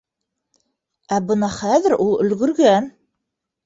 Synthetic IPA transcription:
æbɤnɑχæðɘ̆ɾʔulˠɵ̆lɡɵ̆ɾɡæn

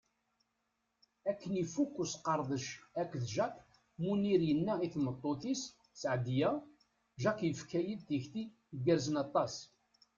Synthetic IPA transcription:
ækːənifukːusqɑɾˤðˤəʃækʷːðʒæq | muniɾjənːæiθmət̪ˤːoθis | sʕd̪jæ | ʒæqjəfkæjəlt̪əçt̪i | əɡəɾzənɑt̪ˤːɑs

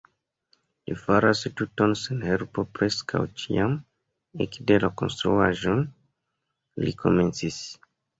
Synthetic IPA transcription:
lifaɾastutonsenhelpopɾeskʰa̰wt͡ʃiam | ekdelako̞̰nstɾuaʒon | lḭkʰo̞̰me̞nt͡sis

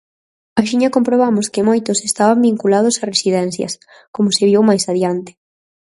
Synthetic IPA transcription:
aʃiɲɐkompɾoβamʊskɪmojt̪ʊsest̪aβambiŋkulað̞ʊsɐresiðɛn̟θjɐ̰s | komʊsɪβiwmajsaðjant̪ɪ̥

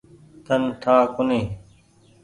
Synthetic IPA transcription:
t̪ʰənʈ̪ʰaːkʊneː

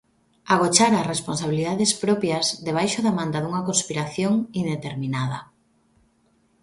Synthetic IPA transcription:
aɣ̞ot͡ʃaɾɐsresponsaβiliðaðespɾɔpjazðeβ̞ajʃʊðamãnd̪aðuŋɐkonspiɾaθjoŋind̪et̪eɾminaðɐ̰

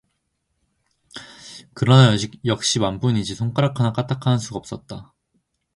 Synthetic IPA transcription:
kɯɾʌnajʌd͡ʑik̚jʌk̚ɕ͈imamp͈unid͡ʑisʰoŋk͈ʰaɾakʰanak͈atʰakʰanɯnsʰuɡaʌp̚s͈ʌt̚t͈a

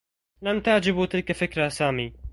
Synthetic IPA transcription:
lamt̪aʕd͡ʒɪbuːt̪ɪlkɛfɪkɾaːsaːmiː

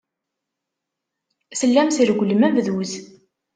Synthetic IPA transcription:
səlːæmsiɾɡʷləmævðuz

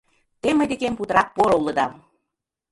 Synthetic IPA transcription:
t̪eməd̪ekemput̪ə̆ɾɑk̚poɾoulɤ̆d̪ɑm

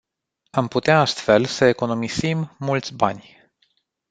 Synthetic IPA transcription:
amput̪eaast̪fe̞lsəe̞ko̞no̞misimːult̪sʲba̰nʲ

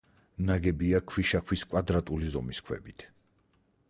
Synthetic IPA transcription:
naɡɛbiakʰwiʃakʰwiskʼwad̪ɾat̪ʼulizɔmiskʰwɛ̰bit̪ʰ

